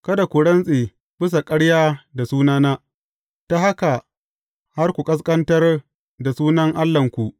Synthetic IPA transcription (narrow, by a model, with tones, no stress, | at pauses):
kɐ˦da˨kʷu˨ɽɐ˦nsʼeː˨ | bɪ˦s̬a˨kʼɐ˦ɽjaː˦da˨suː˦naː˦naː˦ | ta˦ha˦ka˨ | ha˦rkʷu˨kʼɐ˦s̬kʼɐ˦ntɐ˦r | da˨suː˦nɐ˦ŋʔa˦lːɐ˨ŋkʷu˨ʔ